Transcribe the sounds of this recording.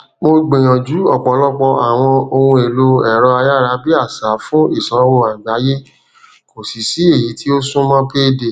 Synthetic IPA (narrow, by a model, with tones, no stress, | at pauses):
mo˧ɡ͡be˨j̃ã˨d͡ʒu˨˦ɔ˦˨k͡pɔ˨˦lɔ˦k͡pɔ˧a˨w̃ɔ̃˧o˧hũ˧e˨lo˧ɛ˨ɾɔ˧a˧ja˦˨ɾa˧˦bi˦a˦˨sa˨˦fũ˦i˦˨sɔ˨˦wo˧a˨ɡ͡ba˨˦je˦ | ko˨si˨si˨˦e˦˨ji˨˦tʰi˦o˦sũ˦mã˦pe˦de˨